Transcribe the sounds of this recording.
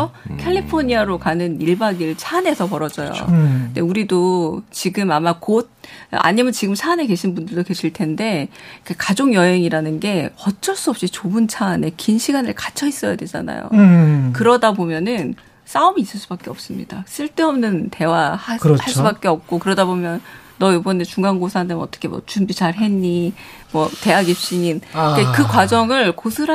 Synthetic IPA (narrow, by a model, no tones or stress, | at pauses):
ʌkʰeɭʎːipʰoɲiaɾokanɯniɭbaɡiɭt͡ɕʰaːne̞sʰʌpʌɾʌd͡ʑʌjo̰nde̞uɾidot͡ɕiɡɯmamakod̚a̰ɲimjʌnt͡ɕiɡɯmt͡ɕʰaːneke̞ɕʰinbundɯɭdoke̞ɕʰiɭtʰe̞nde̞kʰakad͡ʑoŋjʌɦe̞ŋiɾanɯnɡe̞ʌt͡ɕʰʌɭs͈uʌp̚ɕ͈it͡ɕobɯnt͡ɕʰaːne̞kinɕʰiɡanɯɭkat͡ɕʰʌis͈ʌja̰dwe̞d͡ʑa̰na̰jo̰kɯɾʌdabomjʌnɯn | s͈aɯmiːs͈ɯɭs͈ubak͈e̞ʌp̚s͈ɯmɲḭd̥as͈ʰiɭt͈eʌmnɯnte̞wahahaɭs͈ubak͈e̞ʌp̚k͈okɯɾʌdabomjʌnː | ʌjobʌnet͡ɕuŋɡaŋɡosʰanɯnʌt͈ʌ̥kʰemwʌ̰t͡ɕumbit͡ɕaɾɦe̞ɲːi | mwʌte̞aɡiɕ͈iɲinikekɯkwad͡ʑʌŋɯɭkosʰɯɾa